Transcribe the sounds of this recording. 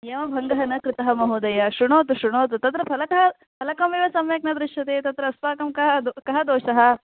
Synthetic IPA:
jɐːmɐbʱɐŋɡɐɦɐnɐkɾɪt̪ɐɦɐmɐɦud̪ɐjɐʃɾuɳoːt̪̬uʃɾuɳoːt̪̬ut̪ɐt̪ɾɐpʰɐlɐkɐɦɐ | pʰɐlɐkɐmiːʋɐsɐmjɐk̚nɐd̪ɾɪʃjɐt̪eːt̪ɐt̪ɾɐːspaːkɐmkɐɦɐd̪kɐɦɐd̪oːʃɐɦɐ̆

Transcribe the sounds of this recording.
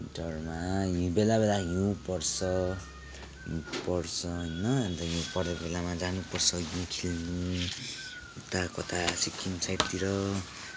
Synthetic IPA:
dʌrmajũbelabelajũpʌrsʌ | pʌrsʰʌɦnːʌant̪ʌjũpʌrd̪ebelamad͡zanupʌrsʌjũkʰilnu | ut̪akʌt̪asikʰimsʰajʈt̪iɾʌ

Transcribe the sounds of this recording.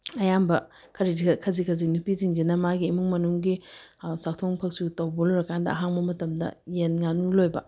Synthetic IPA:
ɐjambɐ | kʰɐɾizikʰɐzikʰɐzinupiziŋd͡ʒinɐmaɡiːmuŋmɐnuŋɡisak̚tʰoŋpʰɐk̚sutɐwbɐloɾɐkʰandɐ̰ɐ̰ɦaŋbɐmɐtɐmdɐ̰jenŋanulojbɐ̰

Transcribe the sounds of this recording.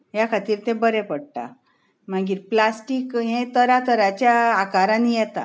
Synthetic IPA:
ɦjakʰat̪iːɾt̪ɛ̃bəɾɛpəɽʈ̪a̰ | m̤aɡiːɾplasʈiːkɦẽt̪əɾat̪əɾat͡ɕjaːkaɾãnijɛt̪a̰

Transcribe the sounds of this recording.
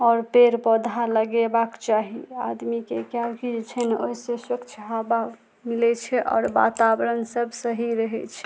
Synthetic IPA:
ɔːɾpeɾpəd̪ʱaləɡebakt͡ʃaɦia̰d̪mikekalkid͡ʒet͡ʃʰəneoisesəkt͡ʃʰəɦaba | milɛt͡ʃʰɛʔɔ̰ːɾba̰t̪abɾənsəbʱsəɦiɾəɦɛt͡ʃʰɛ̥

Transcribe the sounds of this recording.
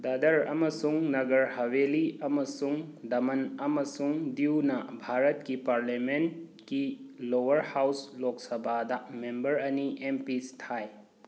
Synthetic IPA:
dɐdɐɾɐmɐsuŋnɐɡɐɾhɐweliɐmɐsuŋdɐmɐnɐmɐsuŋdiwnɐbʱaɾɐt̚kipaɾlamenkilowɐɾhawslok̚sɐbʱadɐmembɐɾɐniʔempistʰaj

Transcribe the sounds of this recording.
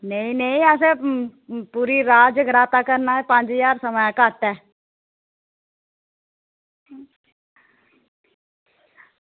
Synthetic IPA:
nəĩnəĩɛːs̬e | puːɾiɾaːd͡ʒəɡɾaːt̪akəɾnaɦɛpãːd͡ʒijaːɾsəməjãkaːʈːɛː

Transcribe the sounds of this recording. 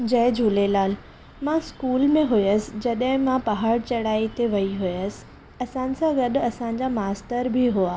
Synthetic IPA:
d͡ʑɐɦɪ̃d͡ʑʱulelaːl | mãskuːlmẽɦʊjəsɪ̥̆d͡ʑɐɗɦɪ̃mãpɐɦaːɽt͡ɕɐɽaːit̪eʋɐiɦʊjəsɪ̥̆ | ɐsãːnɪ̆sãɡɐɗʊɐsãɲ̆d͡ʑamaːst̪əɾbʱiɦuaː

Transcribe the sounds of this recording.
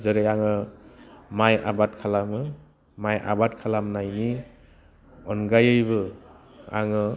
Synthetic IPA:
zɯɾɯjaŋɯ | maja̰batkʰalamɯ | maja̰batkʰalamnajni | ɔnɡajɯjbɯ | a̰ŋɯ

